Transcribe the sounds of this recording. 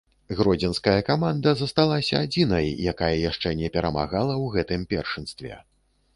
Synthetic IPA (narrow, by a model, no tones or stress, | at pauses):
ɣɾɔd͡zʲɛnskɐjɐkamand̪ɐzɐst̪alˠasʲɐad͡zʲinɐjjakajɐjaʂt͡ʂɛnʲɛpʲɛɾɐma̰ɣalˠɐwɣɛt̪ɨmpʲɛ̰rʂɨnst̪vʲɛ̰